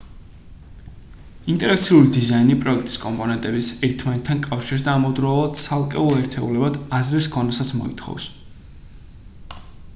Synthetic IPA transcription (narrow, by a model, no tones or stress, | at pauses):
int̪ʼɛɾakt̪sʰiulid̪izainipʼɾɔɛkʰt̪ʼi̥skʼɔmpʼɔnɛnt̪ʼɛbisɛɾt̪ʰmanɛt̪ʰːankʼafʃiɾs̬d̪aːmɔd̪ɾɔlˠad̪̥sʰalˠkʼɛuɛɾt̪ʰɛulɛbad̪azɾɛskʰɔnɛsat̪sʰmɔ̰ḭt̪ʰχɔ̰vs